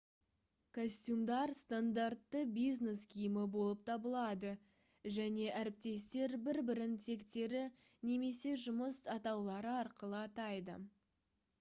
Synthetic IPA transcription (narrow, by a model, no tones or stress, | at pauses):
kʰosʲt̪ʲjumd̪ɑɾst̪and̪art̪ːəbijzne̞skʲʰijmɪbo̞lˠəp̚t̪ʰɑbəlˠɑd̪ə | ʒæne̞ʔæɾɪp̚t̪e̞st̪e̞ɾbɪɾbɪɾɪnt̪ʰe̞kt̪e̞ɾɪ | ne̞me̞se̞ʒʊməsɑt̪ɑwlˠɑɾəɑɾqəlˠəɑt̪ɑjd̪ə̰